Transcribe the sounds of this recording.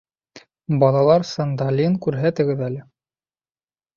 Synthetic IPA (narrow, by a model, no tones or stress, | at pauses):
bɑlˠɑlˠɑɾsand̪alʲinkʉɾɦæt̪ɘ̆ɡɘðælɘ